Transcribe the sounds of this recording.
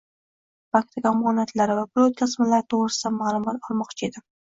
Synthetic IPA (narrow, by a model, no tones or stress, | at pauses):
pak̚t̪ʰɪkamɑnat̪laɾɪvabʊlˠot̪̚kʲʰɨsmalaɾɪt̪ʰoʁɾɪsɪd̪amaːlˠʊmɑt̪ɒlˠmɒqt͡ʃʰaed̪ɪ